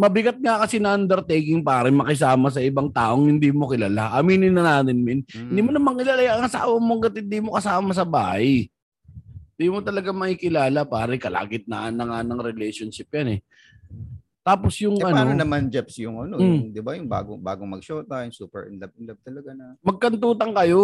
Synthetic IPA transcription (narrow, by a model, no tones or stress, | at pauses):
mɐbɪɡat̪̚ŋakɐsinɐʔand̪ɛɾt̪ejkɪŋpaːɾɪmɐkɪsaːmɐs̬ɐʔɪbaŋt̪aːʔo̞ŋhɪnd̪imo̞kɪlaːlaʔɐmiːnɪnːɐnaːt̪ɪnmɪnhhɪnd̪iːmonɐmaŋkɪlaːlajŋɐsa̰ːwɐmoŋɡɐt̪hɪnd̪iːmokɐsaːmɐs̬ɐba̰ːhaj | ɪnd̪iːmo̞t̪ɐlɐɡamɐʔiːkɪlaːlapaːɾɛkɐlʔa̰ːɡɪt̪̚nɐ̰ʔanːɐŋanɐŋɾɪlɛjʃonʃɪp̚janɛ | t̪aːpo̞sjʊŋʔɐnonɐmand͡ʒɛpsjʊŋʔɐnod̪ɪbajʊŋba̰ːɡoŋba̰ːɡoŋmɐɡʃoːt̪ajʊŋsuːpɛ̰ɹʔɪ̰nlɐb̚ɪnlɐb̚t̪ɐlɐɡanɐmɐɡ̚kɐnt̪uːt̪ɐŋkɐjo̞